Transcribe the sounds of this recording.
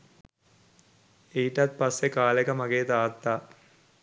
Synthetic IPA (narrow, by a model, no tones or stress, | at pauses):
eiʈat̪̚pɐsːekaːlekɐmɐɡeːt̪aːt̪ːaː